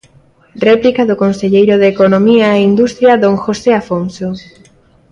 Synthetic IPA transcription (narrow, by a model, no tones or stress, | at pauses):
rɛplikaðokonseʎejɾʊðekonomiaeind̪ust̪ɾjɐðõŋxoseafonso